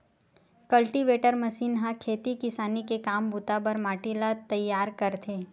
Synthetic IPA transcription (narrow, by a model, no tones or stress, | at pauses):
kɐlʈiʋeːʈəɾmɐsiːnɦãkʰeːt̪ikɪsaːnikekaːmbʊt̪abɐɾmaːʈilat̪ɐjːaːɾkɐɾt̪ʰeː